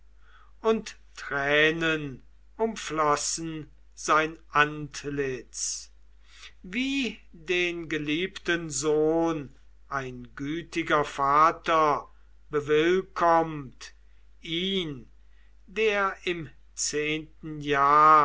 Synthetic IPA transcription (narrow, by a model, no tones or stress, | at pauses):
ʔʊnt | tʁɛːnən | ʊmflɔsn̩ | zaɪnʔantlɪt͡s | viːdeːnɡəliːptənzoːn | ʔaɪnɡyːtɪɡɐfaːtɐ | bəvɪlkʰɔmt | ʔiːn | deːɐɪm | t͡seːntn̩jaː